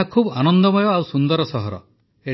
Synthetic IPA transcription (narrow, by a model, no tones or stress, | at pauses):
akʰubanɔnd̪ɔmɔjɔawsund̪ɔɾɔsɔɦɔɾɔ̰ | e